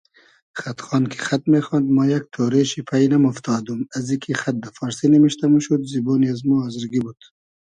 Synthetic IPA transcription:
χat̪χɑːnkʰi̥xat̪mexɑːnd̪majak̚t̪ʰoːɾeʃipʰajnɐmʊft̪ʰɑːd̪umazikʰixat̪̚d̪ɐfɑːɾsinimiʃt̪ɐmuʃud̪ziboːniazmuazɾɡibud̪̥

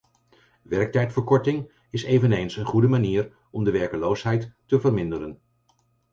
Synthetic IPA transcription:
ʋɛɹk̚tɛjtfəɹkɔɹtɪŋ | ɪsejvənejnsənχudəmaniːr | ɔmdəʋɛɹkəlowsɦɛjtːəvəɹmɪndəɾən

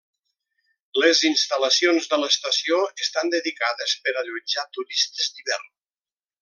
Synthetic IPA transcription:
ləzinst̪ələsionzðələst̪əsioəst̪and̪əðikaðəspəɾaʎud͡ʒat̪uɾist̪əzd̪iβɛ̰rn

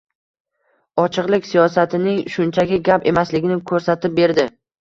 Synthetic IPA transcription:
ɒt͡ʃʰɨqlˠɪkʲsijɒsat̪ʰɪnɪŋʃʊnt͡ʃʰaɡʲɪɡʲape̞maslɪɡʲɪnɪkʰɵɾsat̪ʰɪp̚be̞ɾd̪ɪ

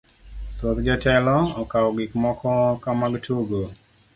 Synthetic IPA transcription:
t̪ot̪d͡ʒɔtɛlɔɔkaɔɡɪkmɔkʰɔkamaɡtʰuɡo

